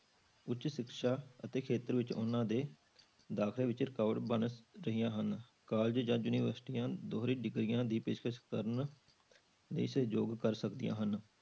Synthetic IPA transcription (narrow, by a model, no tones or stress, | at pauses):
ʊtːt͡ʃʃɪkʃaːət̪eːkʰeːt̪əɾʋɪt͡ʃʊ̰nãːd̪eː | d̪aːkʰleːʋɪt͡ʃɾɪkaːʋɖbənɾəɦijãːɦən | kaːld͡ʒd͡ʒãːd͡ʒuniːʋəɾsʈiːãːd̪oːɦɾiːɖɪɡɾɪjãːd̪iːpeːʃkʰəʃkt̪əɾən | lḛiːsəd͡ʒoːɡkəɾsəkd̪ɪ̰jã̰ːɦən